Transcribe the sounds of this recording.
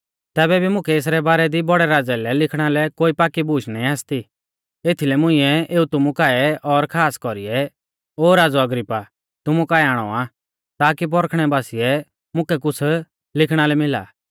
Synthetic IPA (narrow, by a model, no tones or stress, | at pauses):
t̪ɛːbɛbʱimʊ̃kʰɛes̬ɾɛbaːɾɛd̪ibɔɽɛɾaːd͡zɛlɛlɪkʰɽ̃alɛkoːipaːkibuːt͡ʃʰnaːĩaːst̪i | eːt̪ʰilɛmʊ̃ɪ̃ɛʔeːut̪ʊmukaːɛɔɾkʰaːskɔɾiɛ | oːɾaːd͡zɔɐɡɾɪpːa | t̪ʊmukaːɛaːɽ̃ɔa | t̪aːkip̬ɔɾkʰɽ̃ɛbaːsiɛ | mʊ̃kɛk̬ʊt͡sʰ | lɪkʰɽ̃alɛmɪla̰ː